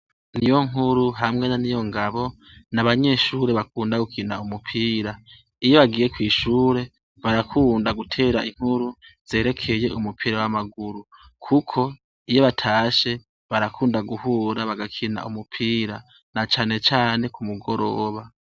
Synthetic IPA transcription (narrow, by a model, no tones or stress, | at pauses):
nijo̞ŋ̥ɦuɾuɦamŋe̞nanijo̞ŋɡaβo̞ | naβaɲe̞ʃuːɾe̞βakuːndaɡukʰinaumupʰiːɾa | ijo̞βaɡiːɾe̞kwiːʃuːɾe̞ | βaɾakʰuːndaɡutʰe̞ːɾaʔiŋ̥huɾuz̥e̞ːɾe̞kʰe̞je̞ʔumupʰiːɾawamaɡuɾu | kʰukʰo̞ | ijo̞βatʰaːʃe̞ | βaɾakʰuːndaɡuhuːɾaβaɡakʰina̰umupʰiːɾa | nat͡ʃaːne̞t͡ʃaːne̞kʰumuɡo̞ɾo̞ːβa